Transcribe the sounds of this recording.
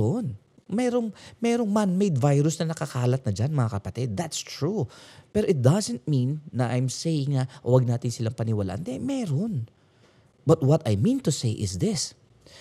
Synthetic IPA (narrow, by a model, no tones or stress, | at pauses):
on | mɛːɾo̞ŋmɛːɾo̞ŋmanmɛjd̪vajɾʊsnɐnɐkɐkaːlɐt̪̚nɐd͡ʒanmɐŋakɐpɐt̪ɪd̪̚ːat̪st̪ɹupɛɾoʔɪt̪̚d̪ɐzɛnt̪̚mĩnːɐʔajmsejɪŋnɐwɐɡ̚naːt̪ɪnsɪlaŋpɐnɪwɐla̰ʔɐ̰nd̪ɛmɛːɾon | bɐt̪̚wɔt̪ɐjmĩnt̪ʊsejʔɪ̰sd̪ɪs